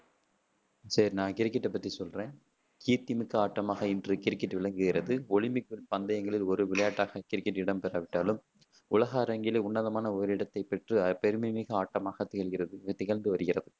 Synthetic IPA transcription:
sɐɾnaːŋkɪɾkːɪʈːɛpːɐt̪ːɾisɔlrẽːn | kiːt̪ːɪmɪkːɯaːʈːɐmaːɣɐɪndrɯkɪɾkːɪʈʋɪɭɐŋɡɯɣɪɾɐðɯɔɭɪmɪkːɪlpɐnd̪ɐjɐŋɡɐɭɪlɔɾɯʋɪɭɐjaːʈːaːɣɐkɪɾkːɪʈːɪɽɐmpɛɾɐʋɪʈːaːlɯm | ʊlɐɣaːɾɐŋɡɪleʊɳːɐðɐmaːnɐɔɾɯɪɽɐt̪ːɐɪpːɛʈrɯɐpɛɾɯmɪmɪɣɐaːʈːɐmaːɣɐt̪ɪɣɐɭɣɪrɐðɯt̪ɪɣɐɭnd̪ɯʋɐɾɯɣɪrɐðɯ

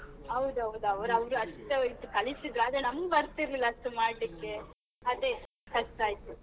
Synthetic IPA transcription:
ɐwd̪uɐʋd̪uɐʋɾuɐʋɾuɐʂt̪ːeojt̪ukɐɭisid̪ɾuaːd̪ɾenɐmɐɡubɐɾt̪iɾlilːɐʂt̪umaːɽlikːe | ɐd̪e | kɐʂt̪aːjt̪u

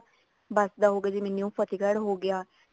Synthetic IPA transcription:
bəsd̪aːɦoːɡjaːd͡ʒeːmɛnːiũːpʰət̪iːkəɽɦoːɡɪjaː

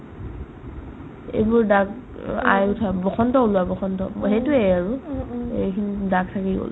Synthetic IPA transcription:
ḛjbuɹdaɡ | a̰jʊtʰabɔxɔntɔulʊabɔxɔntɔ̰ɦetuejaɹuḛkʰinidaɡ̚tʰakiɡo̰l

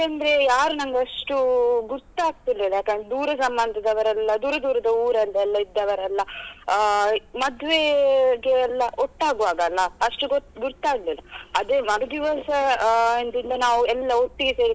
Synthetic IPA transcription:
jakɐnd̪ɐɾe̞jaːɾunɐŋɡeɐʂʈuɡuɾt̪ːaːɡ̚t̪ilːiːlɐjaːkːɐnd̪ɾed̪uːɾɐsɐmbɐnd̪ʱɐd̪ɐʋɐɾɐlːɐd̪uːɾɐd̪uːɾɐd̪ɐuːɾɐlːɐɛlːɐid̪ːɐʋɐɾɐlːɐ | mɐd̪ʋeɡeɐlːɐoʈːaːɡʋaːɡɐlːɐɐʂʈuɡot̪ɡuɾt̪ːaːɡliːlɐɐd̪eːmɐɡɐd̪iʋɐsɐɐnd̪ind̪ɐnaːʋuɛlːɐoʈːiɡese̞ːɽi

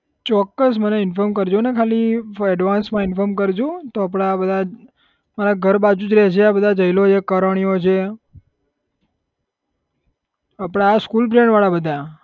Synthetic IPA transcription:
t͡ʃɔkːəsməneɪnfɔɾmkəɾd͡ʒũnekʰaliɛɖʋansmãɪnfɔɾmkəɾd͡ʒũt̪oap̬ɽ̃abəd̪ʱa | maɾaɡʱəɾbad͡ʒũd͡ʒɾɛt͡ʃʰeabəd̪ʱad͡ʒəjlot͡ʃʰekəɾəɳ̃ijot͡ʃʰe | apɽ̃aːskulbɾẽɳɖʋaɭabəd̪ʱa

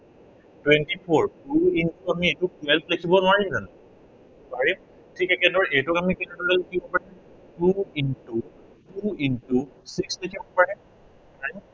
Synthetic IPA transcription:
twɛntipʰɔɹpuintuamietʊkɛlplekʰibɔnʊaɹimzan | baɹim | tʰikɛkɛdɔɹʔetʊkamikɛnɔdɔlɛlekʰibɔpaɹi | tuintu | tuintusikslekʰibɔpaɹɛ | aj

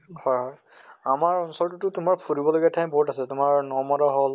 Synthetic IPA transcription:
hɔjɦɔj | amaɹɔnsɔɹtutʊtʊmaɹpʰuɹibɔloɡɛtʰajmbɔɦutasɛtʊmaɹnɔmɔdaɦol

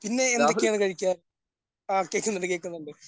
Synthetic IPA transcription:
pinːe̞ːnd̪oːejaːɳɨkɐɻikʲːaː | aːkːeːkːunːɐɽɨkeːkːunːuɳɖɨ

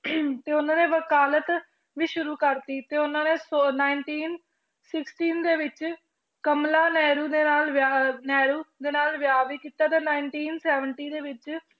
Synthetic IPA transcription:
t̪eːʊnãːnẽːʋəkaːlət̪ | ʋiːʃʊɾuːkəɾt̪iːt̪eːʊnãːneːsonaːɪɳʈiːn | sɪksʈiːnd̪eːʋɪt͡ʃ | kəmlaːnɛːɾuːd̪eːnaːlʋanɛːɾuːd̪eːnaːlʋɪjaːʋiːkiːt̪aːt̪eːnaːɪɳʈiːnsɛːʋəɳʈiːd̪eːʋɪt͡ʃ

